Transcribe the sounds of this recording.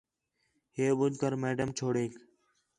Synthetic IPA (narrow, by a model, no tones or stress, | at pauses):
ɦeːɓʊd͡ʒkəɾmeːɖəmt͡ʃʰoːɽeːk